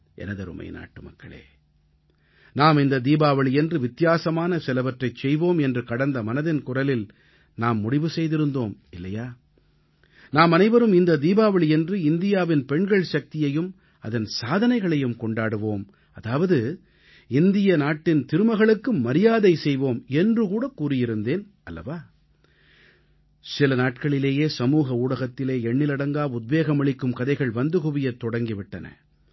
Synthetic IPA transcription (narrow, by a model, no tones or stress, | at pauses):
ʔɛ̰nɐðɐɾɯ̰mɐ̰ɪna̰ːʈːɯmɐ̰kːɐɭḛː | naːmɪnd̪ɐd̪iːbaːʋɐɭjɛndrɯʋɪt̪ːɪjaːsɐmaːnɐsɛlɐʋɐʈrɐɪt͡ʃːɛjʋoːmɛndrɯkɐɽɐnd̪ɐmɐnɐðɪnkʊrɐlɪl | naːmːʊɽɪʋɯsɛjðɪɾɯnd̪oːmɪlːɐjaː | naːmɐnɐɪʋɐɾɯmɪnd̪ɐd̪iːbaːʋɐɭjɛndrɯɪnd̪ɪjaːʋɪnpɛɳɡɐɭʃɐk̚t̪ɪjɐjɯm | ɐðɐnsaːðɐnɐɪɣɐɭɐjɯmkɔɳɖaːɽɯʋoːm | ɐðaːʋɐðɯ | ɪnd̪ɪjɐnaːʈːɪnt̪ɪɾɯmɐɣɐɭɯkːɯmːɐɾɪjaːðɐɪsɛjʋoːmɛndrɯkuːɽɐkuːrɪjɪɾɯnd̪eːn | ʔɐlːɐ̰ʋaː | sɪlɐnaːʈ̚kɐɭɪleːjeːsɐmuːɣɐuːɽɐɣɐt̪ːɪleːɛɳːɪlɪɽɐŋɡaːʊd̪̚ʋeːɣɐmɐɭɪkːɯmkɐðɐɪɣɐɭʋɐnd̪ɯkʊʋɪjɐt̪ːɔɽɐŋɡɪʋɪʈːɐnɐ̰